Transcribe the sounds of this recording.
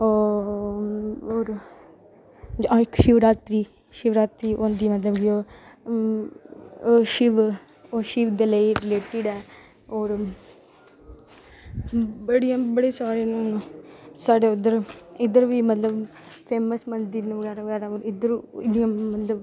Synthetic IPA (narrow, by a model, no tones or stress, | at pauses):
oːɾ | aɪkʃɪʋɾaːt̪ɾiː | ʃɪʋɾaːt̪ɾiːʔoːnd̪iːmət̪ləbɡioː | ʃɪʋ | oːʃɪʋd̪eːləiːɾɪleːʈɪɖɛː | oːɾ | bəɽijãːbəɽeːsaːɾeːnũː | saːɖeːʊd̪əɾɪd̪əɾʋiːmət̪ləb | pʰeːməsmənd̪iɾnũːʋəɡɛːɾaːʋəɡɛːɾaːoːɾɪd̪əɾɪdijãːmət̪ləb